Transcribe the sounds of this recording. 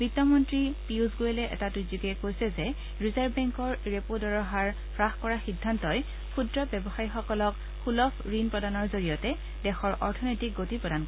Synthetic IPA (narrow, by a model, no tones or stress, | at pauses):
b̥itːɔmɔntɹipiuzɡojelɛʔɛ̰tatuzukɛkojsɛzɛ | ɹizaɹbbɛŋkɔɹɹepodɔɹɔɦaɹ | pʰɹaxkɔɹaxidʱːantɔj | pʰudɹɔbɛbɔxajixɔkɔlɔk | xulɔpʰɹinpɹɔdanɔɹzoɹijɔtɛ | dɛxɔɹʔɔɹtʰɔnɔjtik̚ɡotipɹɔdank